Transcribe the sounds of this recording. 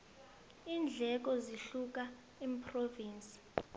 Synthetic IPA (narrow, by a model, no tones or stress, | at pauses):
iːnd͡ɮʱɛk̬ɔziɬuk̬ʼa | em̩pʰroviːnsi̥